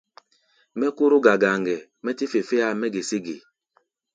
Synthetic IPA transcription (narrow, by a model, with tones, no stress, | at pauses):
mɛ˦ku˦ɾu˦ɡa˨ɡa˨ŋɡɛ˨ | mɛ˦ti˦fe˨fe˦a˦˨mɛ˦ɡe˨si˦ɡḛ˨